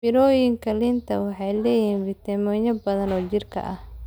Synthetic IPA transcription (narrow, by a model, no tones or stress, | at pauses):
mɪɾɔjɪŋkʰɐlɪnt̪ʰɐwɑħɑjlɛːjiːnvɪt̪ʰɐmɔɲɐbɐðɐnɔːt͡ʃɪrkʰɐ̰ʔɐh